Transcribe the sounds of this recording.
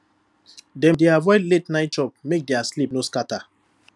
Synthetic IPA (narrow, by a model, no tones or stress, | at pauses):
dɛ̃mdeavɔɪletnaɪt̚t͡ʃɔp̚mek̚deaslipnoskata